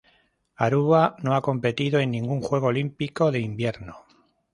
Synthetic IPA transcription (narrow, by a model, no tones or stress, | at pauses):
aɾuβano̞ako̞mpe̞t̪iðoe̞nːĩŋɡuŋxwe̞ɣ̞olimpiko̞ðe̞imbje̞ɾno